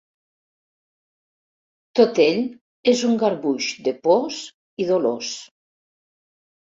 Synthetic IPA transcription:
t̪ot̪eʎ | ezuŋɡaɾβuʒd̪epos | iðolos

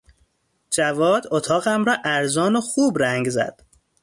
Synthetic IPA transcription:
d͡ʒævɒːd̪ot̪ʰɒːɣæmɾɒːʔæɾzɒːnoxuːbɾæŋɡzæ̰d̪̥

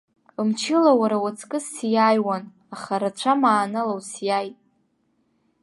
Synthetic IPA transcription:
ɨmt͡ʃʰɪlawaɾawat͡sʰkʼɨsjajwan | aχaɾat͡ɕʷʰamaːnalawsjajtʼ

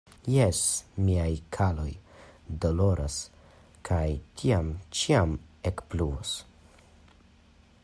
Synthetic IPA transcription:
jesmiajkʰalo̞jdo̞lo̞ɾʔas | kʰajtʰiamt͡ʃiamekpluos

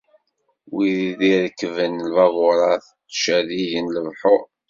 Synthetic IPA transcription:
wiɾiðiɾəkːvənlvɑvʊɾˤɑθ | ʃæðijənləvħo

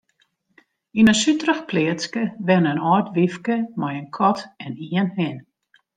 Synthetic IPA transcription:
inəsytrəxpʰliətskəʋɛnənɔːrtʋifkəmɔjənkʰɔtɛniənhɪn

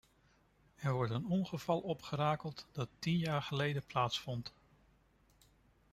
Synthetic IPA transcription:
ɛɹʋɔɹtənɔnχəvɑlˠɔpχəɾaːkəlˠtd̥ɑtinjaːɹχəlejdəplaːtsfɔnt

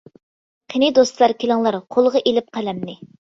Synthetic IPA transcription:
qʰenɪd̪ost̪lˠɑɾkʲʰelɪŋlˠɑɾqʰolˠʁɑʔelɪp̚qʰælɛmnɪ

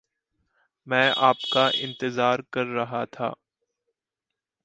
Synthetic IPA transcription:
mɛ̃ːʔaːpkaʔɪ̰̃nt̪ɪzaːɾkɐɾːɐɦat̪ʰa̰ː

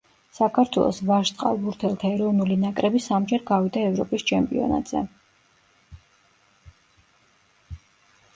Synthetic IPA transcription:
sakʰaɾt̪ʰwɛ̰lˠɔ̰svaʃt̪ʼqʼa̰lˠbuɾt̪ʰɛlˠt̪ʰaɛɾɔvnulinakʼɾɛbisamd͡ʒɛɾɡavid̪aɛvɾɔpʼist͡ʃʰɛmpʼḭɔ̰na̰t̪ʼz̥ɛ̰

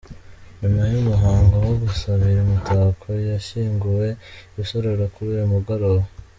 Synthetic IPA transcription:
nimajumuɦaːŋɡowoɡusaβiɾemutʰaːkʰojaʃiːŋɡuwe̞βiso̞ɾe̞ɾokuɾijomuɡaɾowo

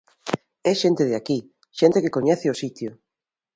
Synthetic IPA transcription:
ɛʃent̪ɪðeaki | ʃent̪ekekoɲɛθɪʊsit̪jʊ

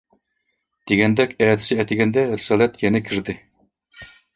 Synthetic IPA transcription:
d̪̥eɡʲɛnd̪ɛkʲɛːt̪ʰɪ̥sɪɛjt̪ɪɡʲɛnd̪ɛɾɪsɑːlˠɛt̪jɛnɛkʲʰiɾd̪ɪ

